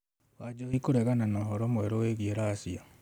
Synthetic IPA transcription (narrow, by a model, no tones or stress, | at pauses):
wad͡ʒɔikoɾɛɣananaɦɔɾɔmwɛɾoweɣieɾaːsia